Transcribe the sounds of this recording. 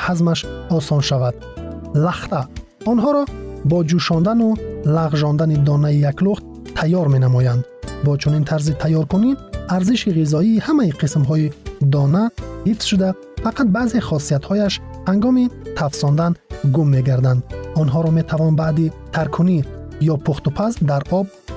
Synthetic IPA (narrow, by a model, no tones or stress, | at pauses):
hazmaʃɔsɔnʃavad̪̥ | laχt̪a | ɔnɦɔɾɔbɔd͡ʒuʃɔnd̪anulaʁʒɔnd̪anid̪ɔnaijakluχt̪ | t̪ʰajːɔɾme̞namɔjand̪bɔt͡ʃʰunint̪ʰaɾzit̪ʰajːɔɾkuniaɾziʃiʁizɔiːhamaiqʰismɦɔid̪ɔnahifz̥ʃud̪a | faqʰat̪̚baːzeχɔsiat̪hɔjaʃhaŋɡɔmit̪ʰafsɔnd̪anɡumːe̞ɡaɾd̪and̪ɔnɦɔɾɔme̞t̪ʰavɔnbaʔd̪it̪ʰaɾkʰunijɔpʰuχt̪upʰasd̪aɾɔb̚